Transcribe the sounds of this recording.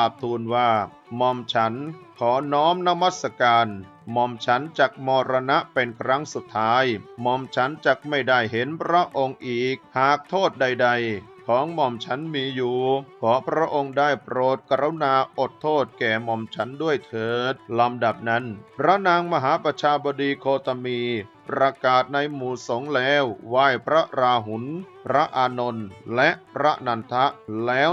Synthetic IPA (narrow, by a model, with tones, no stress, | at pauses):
a˨˩p̚t̪ʰuː˧nwaː˥˩ | mɔ˧mt͡ɕʰa˦˥nkʰɔː˩˦nɔː˦˥mna˦˥ma˥˩t̪̚sa˧kaː˧n | mɔ˧mt͡ɕʰa˦˥nt͡ɕa˨˩k̚mɔː˧ɾa˧na˦˥ʔpe˧nkʰɾa˦˥ŋsu˨˩t̪ʰːaː˦˥jmɔ˧mt͡ɕʰa˦˥nt͡ɕa˨˩k̚ma˥˩jdaː˥˩jɦe˩˦npʰɾa˦˥ʔo˧ŋʔiː˨˩k̚haː˨˩k̚t̪ʰoː˥˩t̪̚da˧jda˧jkʰɔː˨˩˦ŋmɔ˧mt͡ɕʰa˦˥nmiː˧juː˨˩kʰɔː˩˦pʰɾa˦˥ʔo˧ŋdaː˥˩jpɾoː˨˩t̪̚kɾa˦˥wnaː˧ʔo˨˩t̪ʰːoː˥˩t̪̚kɛː˨˩mɔ˨˧mt͡ɕʰa˦˥ndu˥˩əjt̪ʰɤː˨˩˦t̪̚la˧mda˨˩p̚na˦˥npʰɾa˦˥naː˧ŋma˧ɦaː˩˦pɾa˧t͡ɕʰaː˧bɔ˧diː˧kʰoː˧t̪a˧miː˧pɾa˧kaː˨˩t̪̚na˧jmuː˨˩so˨˩˦ŋlɛː˦˥wwaː˥˩jpʰɾa˦˥ɾaː˧ɦu˩˦npʰɾa˦˥ʔaː˧no˧nlɛ˦˥ʔpʰɾa˦˥naː˧nt̪ʰa˦˥ʔlɛː˦˥